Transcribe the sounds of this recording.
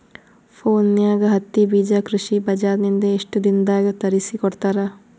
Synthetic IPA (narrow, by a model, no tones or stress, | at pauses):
pʰoːnːjaːɡɐɦɐt̪ːibiːd͡ʒɐkɾuʂibɐd͡ʒaːɾnind̪ɐeʂʈud̪ind̪aːɡɐt̪ɐɾisikɔɽt̪aːɾɐ